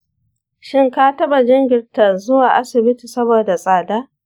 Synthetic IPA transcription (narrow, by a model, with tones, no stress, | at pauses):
ʃɪ˦ŋkaː˦tɐ˦ɓa˨d͡ʒɪ˦ŋɡʲɪ˨rta˨zʊ˦waː˨ʔa˦sɪ˨bɪ˦ti˨sɐ˦boː˨da˨sʼaː˨daː˦